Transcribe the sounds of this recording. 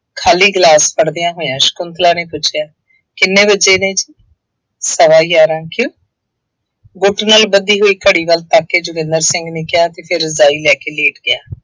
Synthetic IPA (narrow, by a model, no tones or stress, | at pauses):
kʰaːliːɡlaːspəɽd̪ejãːɦoːjãːʃə̥kʊnt̪laːnẽːpʊt͡ʃʰejaː | kɪnːẽːbəd͡ʒeːnẽːd͡ʒiː | səʋaːjaːɾãːkjõː | ɡʊʈnaːlbəd̪iːɦoːiːkəɽiːbəlt̪aːkːeːd͡ʒʊɡɪ̃nd̪əɾsɪ̃ŋɡnɪkːɪjaːt̪eːpʰɪɾzaːiːlɛːkeːleːʈɡɪaː